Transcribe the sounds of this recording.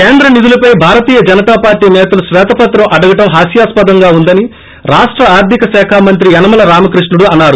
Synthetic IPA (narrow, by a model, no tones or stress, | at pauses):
keːnd̪ɾɐnid̪ulɐpɐjbʱaːɾɐt̪iːjɐd͡ʒɐnɐt̪aːpaːɾʈiːnɛːt̪ɐluʃʋɛːt̪ɐpɐt̪ɾɐmɐɽɐɡɐʈɐmɦaːsjaːspɐd̪ɐŋɡaːund̪ɐni | ɾaːʂʈɾɐaːɾd̪ʱikɐsɛːkʰaːmɐnt̪ɾiɛnɐmɐlɐɾaːmɐkɾiʂnuɽuɐnːaːɾu